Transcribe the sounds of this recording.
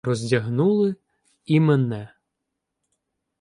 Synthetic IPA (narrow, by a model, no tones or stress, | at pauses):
ɾɔzʲdʲɐɦnulˠɪ | imɛnɛ